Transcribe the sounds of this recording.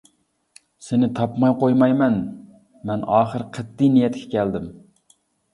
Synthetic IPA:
sɪnɪt̪ʰɑpmɑjqojmɑjmɛn | mɛnɑːχəɾqʰɛd̪ːɪjnijɛt̪kʲɛ̥kʲʰɛld̪ɪm

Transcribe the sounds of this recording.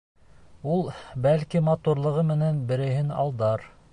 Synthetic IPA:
ulˠbælkimɑt̪uɾlˠɤ̆ʁɤmɘ̆nænbɘ̆ɾɘ̆ɦɘnɑ̰lˠd̪ɑɾ

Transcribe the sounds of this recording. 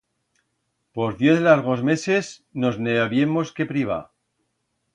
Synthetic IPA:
po̞zðje̞θlaɾɣ̞o̞zme̞se̞sno̞zneoβje̞mo̞ske̞pɾiβ̞a̰

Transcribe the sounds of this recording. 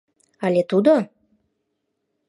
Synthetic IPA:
alʲet̪ud̪o

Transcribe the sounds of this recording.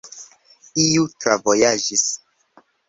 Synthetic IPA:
ijutɾavojad͡ʒis

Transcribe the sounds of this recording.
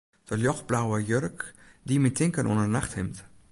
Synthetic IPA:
d̥əljɔxblawəjørk | dimintɪŋkənʔṵnərnaχthɪmt

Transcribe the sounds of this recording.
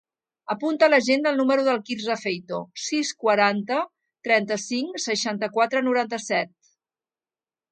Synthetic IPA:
əpunt̪ələʒend̪əlˠnuməɾuðəlˠkiɾzəfejt̪osiskwəɾant̪ə | t̪ɾɛnt̪əsiŋsəʃant̪əkwat̪ɾənuɾant̪əsɛt̪̚

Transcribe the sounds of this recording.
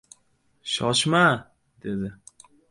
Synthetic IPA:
ʃɒʃma | d̪e̞d̪ɪ

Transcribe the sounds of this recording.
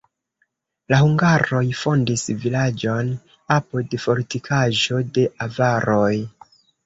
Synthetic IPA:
lahuŋɡaɾo̞jfo̞ndisvilad͡ʒo̞n | apode̞fo̞ɾtikʰaʒd͡ʒo̞de̞ʔavaɾoj

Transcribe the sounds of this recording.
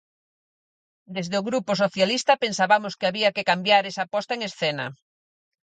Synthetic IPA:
d̪ezðeoɣɾupʊsoθjalist̪ɐpensaβamʊskeaβiakekambjaɾesapɔst̪aeŋesθɛnɐ̰

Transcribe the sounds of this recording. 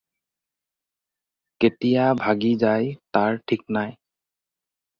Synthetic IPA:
ketijabʱaɡizajtaɹʈʰik̚naj

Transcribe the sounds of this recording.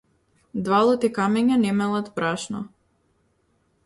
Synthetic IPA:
d̪valˠɔt̪ɛkamɛɲanɛmɛlˠat̪bɾaʃnɔ

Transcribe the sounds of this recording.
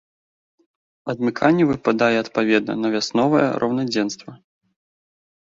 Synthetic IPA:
ɐd̪mʲɨkʰanʲːɛvɨpad̪ajɛɐt̪pavʲɛd̪̚nɐ̰nɐvʲasnɔvɐjɛ̰ɾʔɐ̰wnad͡zʲɛnst̪vɐ

